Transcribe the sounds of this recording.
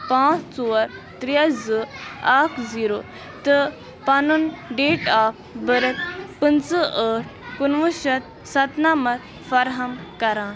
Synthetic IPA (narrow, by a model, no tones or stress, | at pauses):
pãːt͡st͡suɐɾt̪ɾijɐzɨakʰziːɾoː | t̪ə | panunɖeːʈaːp̚ʰbəɾɐt̪̚pənt͡səʔəːʈ̚ʰkunʋuʃɐt̪̚ | sɐt̪namɐt̪ | fɐɾɦɐmkɐɾaːn